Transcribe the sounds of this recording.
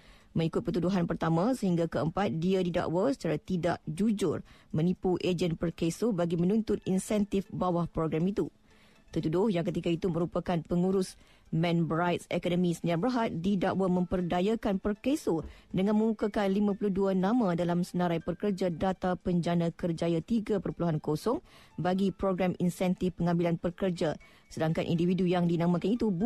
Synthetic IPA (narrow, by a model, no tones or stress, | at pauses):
mə̃ŋikʊt̪̚pərt̪uduɦanpərt̪amãsəhiŋɡakəəmpat̪̚diadida̰ʔwasə̥t͡ʃaɾat̪ida̰ʔd͡ʒud͡ʒʊrmə̃nipuʔed͡ʒənpərkesobaɡimə̃nũnt̪ʊt̪̚insɛnt̪ɪfbawahpɾoɡɾamit̪u | t̪ərt̪udʊhjaŋk̬ət̪̬ikait̪umə̃ɾupakanpəŋuɾʊs | mɛ̃nbɾajt̪̚sɛkɔdəmĩsəniabəɾɦat̪̚didaʔwamə̃mpərdajakanpərkesodəŋãnmə̃mukakanlimãpuluhduanãmãdalamsənãɾajpərkərd͡ʒadat̪apəɲd͡ʒanãkərd͡ʒajat̪iɡapərpuluɦankosɔŋbaɡipɾoɡɾaminsɛnt̪ɪfpəŋãmbilanpərkərd͡ʒa | sədaŋka̰nʔḭndividujaŋdinãmãkanit̪ub